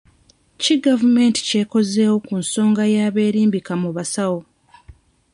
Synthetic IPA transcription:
ciɡavume̞ːnti̥ce̞ːko̞ze̞ːwo̞kunso̞ːŋɡajaːβe̞ːɾiːmbikamuβasawo̞

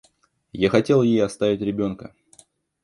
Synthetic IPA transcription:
jaxɐtʲe̞lˠjejɐst̪avʲɪtʲɾʲɪbʲo̞nkə

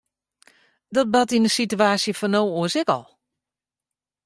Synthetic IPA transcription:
dɔt̚batinəsityaːsjəfɔnowuəsɪkɔ̰lˠ

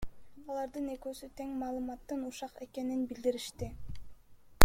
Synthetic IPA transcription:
ɑlˠɑɾd̪ɯne̞køːsyt̪ʰe̞ŋmɑːlˠɯmɑt̪ːɯnuʃɑqe̞ke̞ninbild̪iɾiʃt̪i

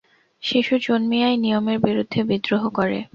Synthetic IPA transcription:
ʃiʃud͡ʑonmijajnijomeɾbiɾud̪ʱːebid̪ɾoɦokoɾḛ

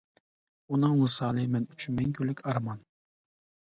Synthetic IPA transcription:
unɨŋmɨsɑːlˠɨmɛnyt͡ʃʰynmɛŋkʲʰylːɪkʲʰɑɾmɑn

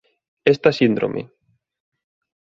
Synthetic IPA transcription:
est̪asind̪ɾo̰mʔḛ

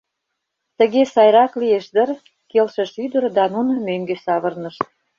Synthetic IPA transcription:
t̪ə̆ɣesɑjɾɑklijeʃd̪ə̆r | kelʃə̆ʃyd̪ə̆rd̪ɑnunɤ̆møŋɡesɑβə̆rnəʃ

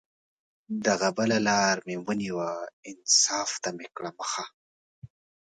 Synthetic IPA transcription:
d̪aɣabəlalɑːɾmewəniwaɪnsɑːft̪amekɽaməxa

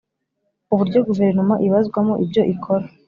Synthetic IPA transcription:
uβuɾɟo̞ɡuve̞ɾnomaʔiβazɡwamoʔibɟo̞ʔikʰoɾa

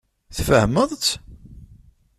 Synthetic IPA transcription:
θfəhməðˤ

